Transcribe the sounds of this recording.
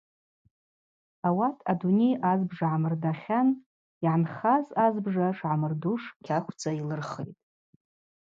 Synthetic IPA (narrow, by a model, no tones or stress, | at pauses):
awatʼʰadunejazbʐaʕamɨrdaχʲan | iʕanχazazbʐaʂʕamɨrduʂkʲʰakʷʰd͡zʰʼailɨrχḛjtʼ